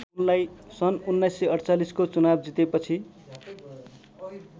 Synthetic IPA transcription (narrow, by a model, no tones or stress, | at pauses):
unlajsʌnunːʌjsːeʌɽt͡saliskot͡sunab̚d͡zit̪epʌt͡sʰi